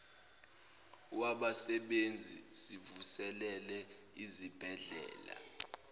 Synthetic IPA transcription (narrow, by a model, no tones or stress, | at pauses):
waɓasɛɓend͡zʱisivusɛlɛlɛ | izib̥ʱɛɮɛ̰ːla̰